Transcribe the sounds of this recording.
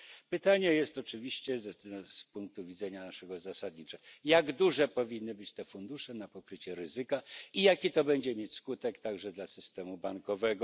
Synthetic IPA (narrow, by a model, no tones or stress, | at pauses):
pɘt̪aɲɛjɛst̪ɔt͡ʂɘvʲiɕt͡ɕɛzspuŋk̚t̪uvʲid̪zɛɲanaʂɛɡɔzasad̪̚ɲit͡ʂɛjaɡd̪uʐɛpɔvʲinːɘbɘt͡ɕt̪ɛfund̪uʂɛnapɔkɾɘt͡ɕɛɾɘzɘkaijakʲit̪ɔbɛɲd͡ʑɛmʲjet͡ɕʲskut̪ɛkt̪aɡʐɛd̪lasɘst̪ɛmubaŋkɔvɛɡɔ